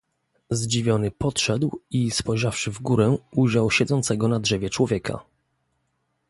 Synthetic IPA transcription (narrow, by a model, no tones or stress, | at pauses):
zd͡ʑivʲjɔnɘpɔtʂɛd̪wispɔjʐafʂɘvɡuɾɛʔuʑawɕɛd̪zɔnt̪sɛɡɔnadʐɛvʲjɛt͡ʂwɔvʲjɛkʰa̰